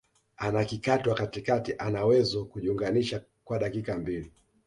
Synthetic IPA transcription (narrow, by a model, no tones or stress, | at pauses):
anakikatwakatikatiʔanawɛzɔkuʄiuŋɡaniʃa | kwaɗakikambili